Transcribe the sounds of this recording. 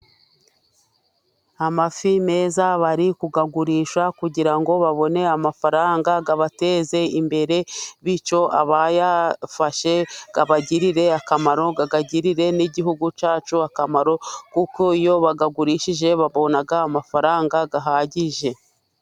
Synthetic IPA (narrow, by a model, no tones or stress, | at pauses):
amafime̞ːzaβaɾikuɡaɡuɾiːʃakuɟiɾaŋɡo̞βaβo̞ne̞amafaɾaːŋɡaɡaβate̞ːze̞imbe̞ɾe̞βit͡ʃo̞aβajafaʃe̞ɡ̥aβaɟiɾiɾe̞akamaɾo̞ɡaɡaɟiɾiɾe̞niɟiɦuɡut͡ʃaːt͡ʃuakamaɾo̞kuko̞ijo̞βaɡaɡuɾiːʃiʒe̞βaβo̞naɡaːmafaɾaːŋɡaɡaɦaɟiʒe̞